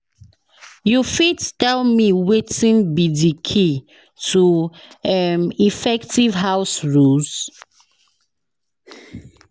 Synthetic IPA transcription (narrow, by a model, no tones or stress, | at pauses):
jufittɛlmiwetĩnbidikʰi | tuɛmifɛktivɦaʊsɹuls